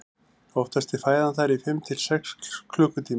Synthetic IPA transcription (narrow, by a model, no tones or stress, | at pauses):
ɔft̪ast̪ɪ̥faːjðanθaɾifɪmt̪ʰɪl̥sɛkskʰlœːkʏt̪ʰiː